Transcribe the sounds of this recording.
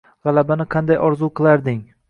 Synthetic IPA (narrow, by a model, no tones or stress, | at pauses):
ʁɑlabanɪqʰɑnd̪ajʔɒɾzuqʰɨlˠaɾd̪ɪŋ